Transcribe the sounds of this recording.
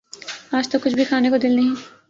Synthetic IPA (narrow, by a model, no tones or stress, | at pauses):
aːd͡ʒt̪okʊt͡ʃʰbʱikʰaːnekod̪ɪlnɐɦĩ